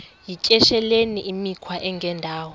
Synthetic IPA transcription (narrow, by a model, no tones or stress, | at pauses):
jicʼɛʃɛleniʔimikʰwaʔɛŋɡʱɛndʱaːwɔ